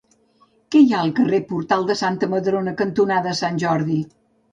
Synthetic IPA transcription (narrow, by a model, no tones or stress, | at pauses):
kɛjaəlˠkərepuɾt̪alˠd̪əsant̪əməðɾonəkənt̪unaðəːsanʲʒɔɾði